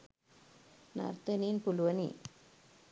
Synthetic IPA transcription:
na̰ɾt̪ɐninpʊlʋɐnḭ

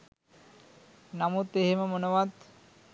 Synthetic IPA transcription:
namut̪ːeɦemamonowad̪

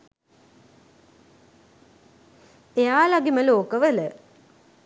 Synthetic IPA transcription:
eaːlɐɡiməloːkɐʋelə

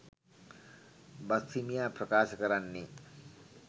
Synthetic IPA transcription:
bɐst̪ʰimijapɾɐkaːsɐkɐɾanːi

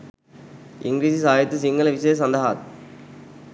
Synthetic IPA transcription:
ɪŋɡɾiːsisaːjɐt̪ːɯsɪŋɡɐlɐʋɪseːsɐnd̪ɐɦa̰ːt̪̚

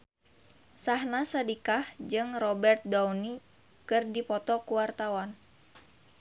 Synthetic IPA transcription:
saɦnasadikahd͡ʒɨŋrɔbɛrt̪̚dawni | kɨrdipɔt̪ɔkuwart̪awan

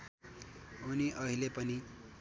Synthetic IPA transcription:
uniʔʌɦilepʌni

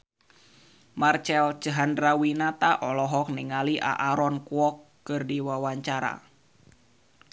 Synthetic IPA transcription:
mart͡ʃɛlt͡ʃəɦandrawinat̪aʔɔlɔɦɔk̚niŋaliʔa̰ʔaɾɔnkuɔkːɨrdiwawaɲt͡ʃaɾa̰

